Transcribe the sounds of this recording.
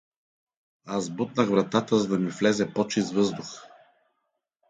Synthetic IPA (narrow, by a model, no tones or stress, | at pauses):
azbut̪nəxvɾɐt̪at̪əzɐd̪ɐmiflɛzɛpɔt͡ʃist̪vɤzd̪ʊx